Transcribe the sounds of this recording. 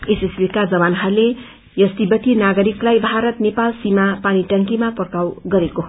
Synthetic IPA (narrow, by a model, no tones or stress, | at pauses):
esesbikad͡zʌbanɦʌrle | jʌst̪ibʌt̪inaɡʌɾiklajbʱaɾʌt̪nepalsimapañiʈʌŋkimapʌrkawɡʌɾeko